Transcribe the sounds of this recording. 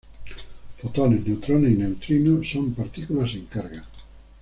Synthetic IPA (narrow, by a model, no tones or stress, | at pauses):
fot̪oneznewt̪ɾoneinewt̪ɾinosompaɾt̪ikulaseŋkaɾɣa